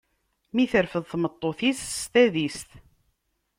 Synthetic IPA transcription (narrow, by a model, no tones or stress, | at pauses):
miθəɾfəðθmət̪ˤːoθisst̪æðist̪